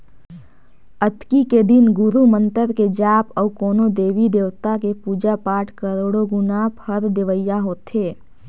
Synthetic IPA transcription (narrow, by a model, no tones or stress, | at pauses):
ət̪kiked̪ɪnɡʊɾumə̃nt̪əɾked͡ʒaːpɔːkoːnod̪eːʋid̪eːʋt̪akepuːd͡ʒapaːʈʰkəɾoːɽoɡʊnaːpʰhəɾd̪eʋəjːaɦoːt̪ɦeː